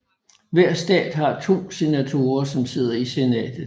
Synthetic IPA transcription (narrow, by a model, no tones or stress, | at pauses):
ʋæɐ̰sd̥ɛ̰ːd̥ɦɑ̈t͡sʰo̝̰ːse̝næt͡sʰo̝ːɐsɒ̽mse̝ð̞̰ˠɐise̝nɛ̰ːd̥ð̩ˠ